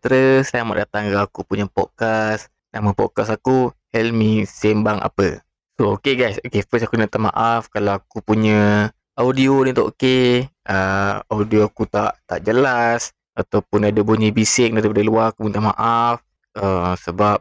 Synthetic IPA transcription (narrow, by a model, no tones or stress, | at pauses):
t̪əɾəsajama̰ʔdat̪aŋɡaakupuɲəpɔd̚kas | naməpɔ̰d̚kasakuhɛlmisɛmbaŋʔa̰pə̰ | sookeɡajsokefəsakunat̪ama̰ʔafkalawakupuɲə | awdionit̪oʔokeʔəawdioakut̪aʔt̪aʔd͡ʒəlas | at̪awpʊnadəboɲibisɪk̚daɾipadaluaɾakupunt̪amaʔaf | əmsəbap̚